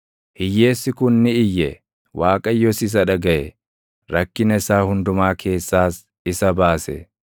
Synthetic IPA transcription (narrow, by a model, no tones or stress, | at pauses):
hɪjːe̞ːsːɪkʊnːɪɪjːɛ | waːkʼɐjːɔsɪs̬ɐᶑɐɡɐʔɛ | ɾɐkːɪnɐɪsaːhʊnd̪ʊmaːkʰe̞ːsːaːs | ɪsɐbaːsɛ̰